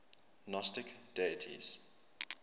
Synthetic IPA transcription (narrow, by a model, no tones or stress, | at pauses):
nɔstɪkd̥eətʰḭz̥